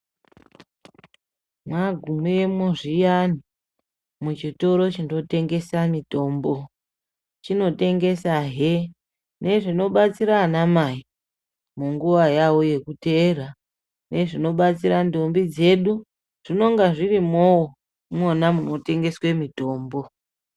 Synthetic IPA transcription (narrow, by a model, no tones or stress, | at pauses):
maɡʱumeemoʐijani | mut͡ʃito̞ɾo̞t͡ʃindo̞te̞ŋɡe̞samito̞ːmbo̞ | t͡ʃino̞te̞ŋɡe̞saɦe | ne̞ʐino̞ɓat͡siɾaːnamai | muŋɡuʋajawo̞je̞kute̞ra | nʔe̞ʐino̞ɓat͡siɾando̞mbid͡ze̞ɗu | ʐ̥ino̞ŋɡaʐirimowo | monamuno̞te̞ŋɡe̞swe̞mito̞ːmbo̞